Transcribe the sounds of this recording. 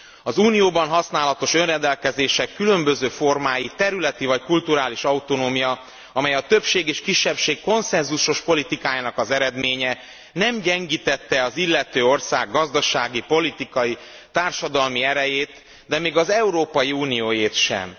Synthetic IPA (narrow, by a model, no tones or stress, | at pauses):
ɒzuːnijoːbɒnɦɒsnaːlɒt̪o̞ʃø̞nrɛnd̪ɛlkɛzeːʃɛkːylø̞mbø̞zøːfo̞rmaːjit̪ɛɾylɛt̪ivɒckult̪uɾaːliʃɒut̪onoːmijɒ | ɒmɛjɒt̪ø̞pʃeːɡeːʃkiʃːɛpʃeːkko̞nsɛnzuʃo̞ʃpo̞lit̪ikaːjaːnɒkɒzɛɾɛd̪meːɲɛ | nɛmɟɛŋɡiːt̪ɛt̪ːɛɒzilːɛt̪øːo̞rsaːɡːɒzd̪ɒʃaːɡipo̞lit̪ikɒji | t̪aːrʃɒd̪ɒlmiɛɾɛjeːt̪ | d̪ɛmeːɡɒzɛuɾoːpɒjiuːnijoːjeːt̪ʃɛ̰m